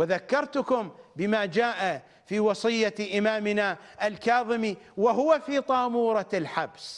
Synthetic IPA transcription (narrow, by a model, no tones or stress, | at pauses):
wɪðakːɑɾˤt̪ʊkʊmbɪmaːd͡ʒaːʔa | fiːwɑsˤɨjːaʔɪmaːmɪna | ʔalkɑːðˤɨmiwaɦʊwafiːt̪ˤɑːmuːɾˤɑlħabs